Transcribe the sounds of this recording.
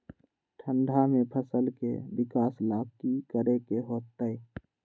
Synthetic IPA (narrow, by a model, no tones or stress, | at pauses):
ʈʰə̃ɳɖʱamẽpʰəsəlkḛbɪkaːslaːkikəɾekeɦoːt̪ːəi